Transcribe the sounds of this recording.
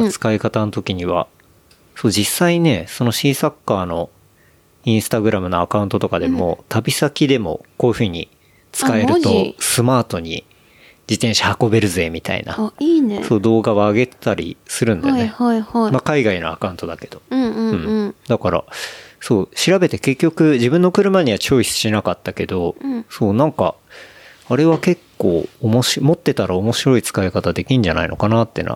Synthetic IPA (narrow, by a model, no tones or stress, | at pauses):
t͡sɨ̥kaikat̪ano̞t̪o̞kʲiɲ̟iβa̰ | so̞ːd͡ʑisːaine̞so̞no̞ɕiːsakːaːno̞ | ĩɰ̃sɨ̥t̪aɡɯ̟ɾamɯ̟no̞akaɯ̟̃nt̪ot̪o̞kad̪e̞mo̞̰t̪ʰabʲisakʲid̪e̞mo̞̰koiɸɯ̟ːɲ̟ḭ | t͡sɨ̥kaeɾɯt̪o̞sɨmaːt̪o̞ɲ̟ḭ | d͡ʑit̪ẽ̞ɰ̃ɕahako̞be̞ɾɯ̟zɨe̞ːmʲit̪a̰ḭna̰neso̞ːd̪o̞ːɡaβaːɡe̞t̪t̪aɾʲḭsɨɾɯ̟nd̪ajoneimakaiɡaino̰a̰kãɯ̃nt̪od̪ake̞d̪̥õ̞̥ɯ̃d̪akaɾa̰so̞ːɕiɾabe̞t̪e̞ke̞kʲːo̞kɯ̟ʑibɯ̟̃nːo̞kɯ̟ɾɯ̟maɲ̟iβat͡ɕo̞ːisɨ̥ɕinakat̪ːake̞d̪o̞soːnãŋka̰ | aɾe̞βake̞kːo̞ːomoɕmo̞t̪ːe̞t̪aɾaomo̞ɕiɾo̞it͡sɨ̥kaekat̪ad̪e̞kʲĩɲ̟d͡ʑana̰ino̞̰kanat̪ːḛna̰